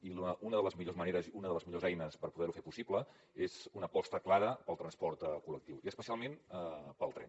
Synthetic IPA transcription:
iləunəðələzmiʎozməneɾəziunəðələzmiʎozɛjnəspəɾpuðɛɾufepusiblə | ezunəpɔst̪əklaɾəpəlˠt̪ɾənspɔɾt̪əkulək̚t̪iwiəspəsialˠmenəpəlˠt̪ɾɛ̰n

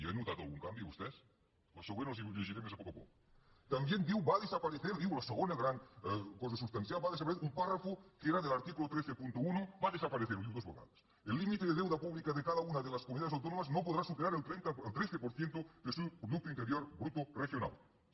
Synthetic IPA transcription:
jo̰enut̪at̪o̰uŋkambjoṵst̪es | lasoɣwenosiʎeʃiɾemesapokapo̰ko̥ | t̪ambjend̪iwβaðesapaɾeθeɾðiɣolaseɣonelɣɾaŋkososust̪anθjalβaðesapaɾeθeumparafokeeɾaðelaɾt̪ikulot̪ɾeθepunt̪ounobaðesapaɾeθeɾðiwðozo̰ka̰ðas | elːimit̪eðeðewðapuβlikaðekaðaunaðelaskomuniaðesawt̪onomaznopoðɾasupeɾaɾelt̪ɾent̪aelt̪ɾeθepoɾθjent̪oðesukɾoðuk̚tɾjoineɾjoɾbɾut̪orexjona̰l

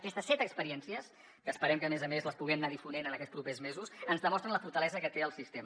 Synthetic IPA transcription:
kɛst̪əsːɛt̪əkspəɾiɛnsiəs | kəːspəɾɛmkəːmɛzəmezləspuɣɛmnaðifunenənəkɛt̪spɾupezmezusənzðəmɔst̪ɾənləfuɾt̪əlɛzəkət̪eəlˠsist̪em

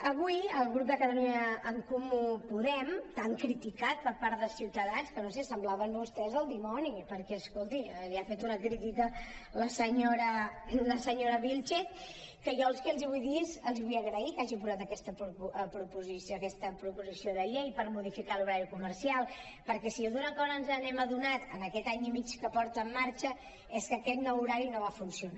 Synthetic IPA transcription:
əβujəlˠɣɾup̚d̪əkəðəliɲəːŋkumupuðɛmt̪aŋkɾit̪ikat̪̚pəɾpaɾt̪ðəsiwt̪əðanskənosesəmblaβəmβust̪ɛzðəlˠd̪imɔnipəɾkɛəskolˠt̪iliafet̪unəkɾit̪ikələsəɲoɾələsəɲoɾəβilʲt͡ʃɛt̪ | kəʒɔəlˠskɛlziβujðizəlˠzβujəɣɾəikaʒipuzat̪əkɛst̪əppɾupuzisəkɛst̪əpɾupuzisioðəʎejpəɾmuð̞ifikaluɾaɾikuməɾsialˠ | pəɾkɛsioðunəkɔɾənzənɛməðunat̪ənəkɛt̪aɲimit͡ʃkəpɔɾt̪əːmːaɾt͡ʃə | ɛskəkɛt̪nouɾaɾinoβ̞afunsiuna

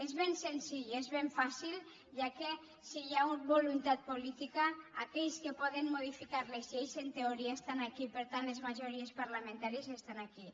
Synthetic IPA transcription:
ezβensensiʎezβeɱfasilˠ | ʒake | sijaubolunt̪at̪̚polit̪ikaakɛʎskepɔðenmoð̞ifikaɾlezʎejzent̪eoɾiaest̪anakipeɾt̪anlezmaʒoɾiespaɾlamẽnt̪aɾiezest̪anaki

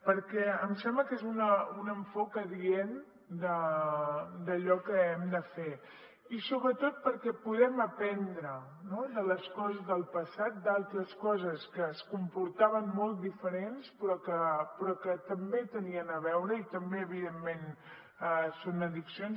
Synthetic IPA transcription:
pəɾkɛəmsɛmbləkezunəunəɱfokəðien | d̪ə | d̪əʎɔkəɛmd̪əfe | isoβɾət̪ot̪̚pəɾkɛpuðɛməpɛnd̪ɾə | noðələskɔzəzðəlˠpəsat̪̚d̪alˠt̪ɾəskɔzəskəːskumpuɾt̪aβənmolˠt̪̚d̪ifəɾenspɾɔkəpɾɔkət̪əmbet̪əniənəβɛwɾəit̪əmbeəβiðemːen | ɛsonəðiksijons

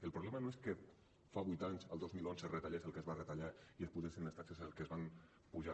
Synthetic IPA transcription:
əlˠpɾuβlɛmənoeskə | faβujt̪aɲzəlˠd̪ozmilˠonzəret̪aʎesəlˠkezβarət̪aʎaiespuzesinləst̪aksezəlˠkəzβam | puʒa

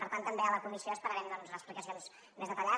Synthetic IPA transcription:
pəɾt̪ant̪ːəmbeələkumisioəspəɾəɾɛmd̪ɔnzləsplikəsijons | mezðət̪əʎa

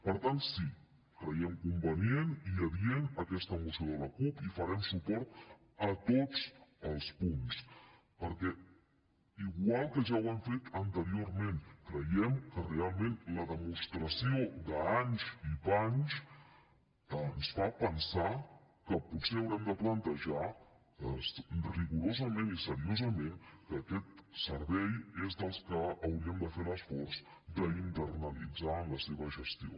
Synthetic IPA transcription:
pəɾt̪ant̪si | kɾəɛmkumbənjeniəβjenəkɛst̪əːmusioðələkupifəɾɛmsupɔɾt̪ | ət̪ot͡səlˠspuns | pəɾkɛ | iɣwalˠkəʒawɛɱfet̪ənt̪əɾioɾmẽnkɾəjɛmkərealˠmẽnləðəmust̪ɾəsiod̪əaɲziβaɲs | əənsfapənsakəput̪seəwɾɛmd̪əplənt̪əʒa | əsriɣuɾozəmenisəɾiozəmenkəːkɛt̪səɾβɛjezd̪əlˠskəːwɾiəmd̪əfeɾəsfɔɾzd̪əint̪əɾnəlḭd͡zaəmləseβəʒəst̪io̰

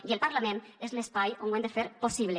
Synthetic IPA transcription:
ielpaɾlamẽnezlespajoŋwend̪efeɾposiβ̞le

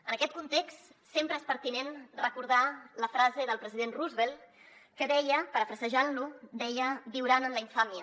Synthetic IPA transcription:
ənəkɛt̪̚kunt̪ekst̪ | sempɾəespəɾt̪inenrəkuɾð̞aləfɾazeðəlˠpɾəziðenruzβelˠ | kəðɛjəpəɾəfɾəsəʒalud̪ɛjəbiwɾanənləiɱfamiə

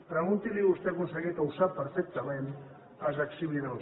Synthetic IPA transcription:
pɾaɣunt̪iðiɣust̪eɣunsaɣet̪awsapeɾfek̚t̪amen | azaksiβlina

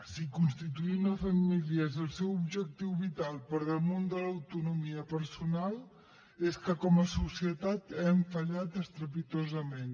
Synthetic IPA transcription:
sikunst̪it̪uinəfəmiliəezəlˠsɛwubʒək̚t̪iwβit̪alˠpəɾðəlˠmond̪ələwt̪unumiəpəɾsunalˠ | eskəkɔməsusiət̪at̪ɛɱfəʎat̪əst̪ɾəpit̪ozəmen

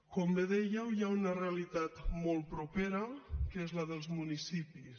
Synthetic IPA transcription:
kɔmbeðɛjəwjaunəreəlit̪at̪mɔlˠt̪̚pɾupeɾəkezləðəlˠzmunisipis

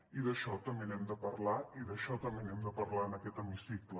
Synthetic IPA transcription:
iðəʃɔt̪əmenɛmd̪əpɐɾlaiðəʃɔt̪əmenɛmd̪əpəɾlaənəkɛt̪əmisiklə

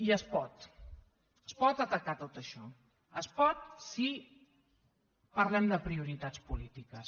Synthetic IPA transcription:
iəspɔt̪ | əspɔt̪ət̪əkat̪ot̪əʃɔ | əspɔt̪̚si | pəɾlɛmd̪əpɾiuɾit̪at͡spulit̪ikəs

